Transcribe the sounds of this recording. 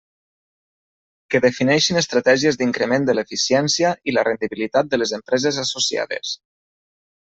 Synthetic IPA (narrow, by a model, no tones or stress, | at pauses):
kəðəfinɛʃinəst̪ɾat̪ɛʒiəzd̪iŋkɾəmend̪əlefisiɛnsiəilərend̪iβilit̪at̪̚d̪əlezəmpɾɛzezasosia̰ðḛs